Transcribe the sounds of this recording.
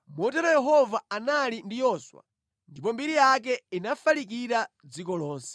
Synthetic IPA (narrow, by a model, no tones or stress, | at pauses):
mɔtɛɾɔjɛɦɔvaanalindijɔswa̰ | ndip̬ɔmbiɾijak̬ɛinafalik̬iɾa | d͡zikɔlɔːnsɛ̥